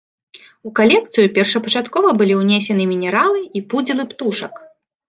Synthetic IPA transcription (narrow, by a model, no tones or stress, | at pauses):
ukalʲɛkt̪sɨjupʲɛrʂɐpɐt͡ʂat̪kɔvɐbɨlʲiwnʲesʲɛnɨmʲinʲɛɾalˠɨipud͡zʲilˠɨpt̪uʂɐk